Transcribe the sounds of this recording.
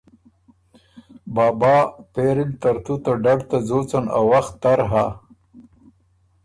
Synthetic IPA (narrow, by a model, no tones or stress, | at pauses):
bɑːbɑːpeɾɪlt̪aɾt̪ut̪aɖaɖt̪azot͡sana̰waxt̪ːaɾɦa